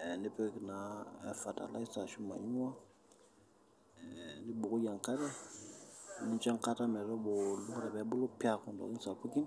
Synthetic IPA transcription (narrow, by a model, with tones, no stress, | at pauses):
ni˦pe˦˨ki˨na˨fa˨ta̰˨la̰˦i˦sa˨su˦mã̰˨ɲu˦mã˦ | ni˦bu˨ɡu˦jã˨ŋka˦ɾɛ˦ | nĩ˦t͡ʃa˦ŋka˦ta˦mɛ˨ɾɔ˦bo˨lu˦ɡɾɛ˨bɛ˦bo˦lo˦pi˦a˦kɔ̃˨dɔ̰˨kĩ˦n˦sa˨pu˦kĩ˦n